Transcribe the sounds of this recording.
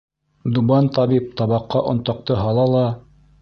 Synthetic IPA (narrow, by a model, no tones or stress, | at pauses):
d̪ubɑnt̪ɑβip̚t̪ɑβɑqːɑʔŏ̰nt̪ɑ̆q̚t̪ɤɦɑlˠɑlˠɑ